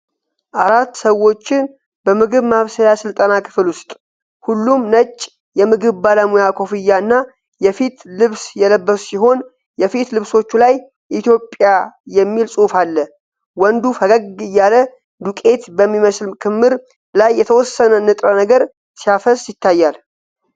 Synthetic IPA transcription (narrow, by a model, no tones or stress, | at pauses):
ʔaɾat̪ːsəwo̞t͡ʃːɪn | bəmɨɡɨβmaβsəjasɨlt̪ʼənakʰɨ̥flwʊst̪ʼ | hulːumnət͡ʃʼː | jɛmɨɡɨβbaləmujakʰo̞fɨjːaɨnːa | jɛfit̪lɨβsjɛləbːəsu̥siɦo̞n | jɛfit̪lɨβso̞t͡ʃːulaj | ʔit̪ʰjo̞pʼːjajɛmːilsʼufalːə | wɔnd̪ufəɡəɡɡɨjːalə | d̪ukʼe̞t̪bəmːiməslmkʰɨmːɨɾ | lajːɛt̪ʰəwɔsːənəɨnːɨt̪ʼɾənəɡəɾ | sijafəsʼjɪt̪ːajːal